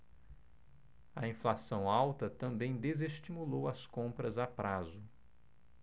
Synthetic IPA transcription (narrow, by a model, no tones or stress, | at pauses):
ɐĩflasɐ̃w̃awt̪ɐt̪ɐ̃mbẽj̃d̪ezeʃt͡ʃimulowɐskõmpɾɐzapɾazʊ